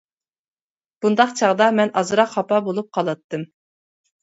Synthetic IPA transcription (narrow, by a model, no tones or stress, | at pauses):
b̥und̪ɑqt͡ʃʰɑʁd̪ɑmɛnʔɑzɨɾɑqhɑpɑbolˠup̚qʰɑlˠɨt̪ʰːɨm